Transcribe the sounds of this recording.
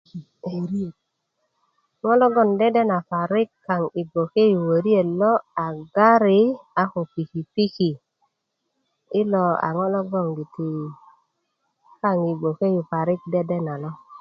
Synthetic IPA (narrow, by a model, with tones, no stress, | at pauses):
ɾ | ŋo˦lo˦ɡo˦˨nde˦de˦na˨fa˨ɾi˦kːa˨ŋi˨ɡo˨ke˦ju˨we˨ɾi˦e˨lo˦a˨ɡa˦ɾi˦a˨ku˨pi˨ki˨pi˦ki˨ | i˦lo˨a̰˨ŋo˦lo˦ɡo˦˨ŋɡi˨t̪i˨ | ka˦˨ŋi˨ɡo˨ke˦ju˨fa˨ɾi˦k̚de˦de˦na˨lo˦